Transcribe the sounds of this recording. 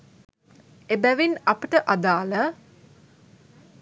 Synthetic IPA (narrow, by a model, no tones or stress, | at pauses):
ebæʋinɐpiʈəʔad̪aːlə